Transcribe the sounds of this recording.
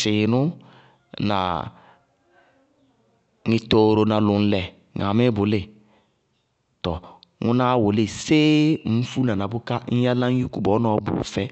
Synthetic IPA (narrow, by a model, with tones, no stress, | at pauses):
sɪ˨nʊ˦ | na̰˨ | ŋɪ˨to˨ɾo˨na˨lʊ˨n̩˨lɛ˨ | ŋa˨mɪ˦bʊ˨le˦˨ | tɔ˨ | ŋu˦na˦wo˨le˦˨se˦m̩˦fu˦na˨na˨bʊ˦ka˦n̩˦ja˦la˦ŋ˦ju˦ku˨bɔ˨˦nɔ˨˦bʊ̰˨fɛ˦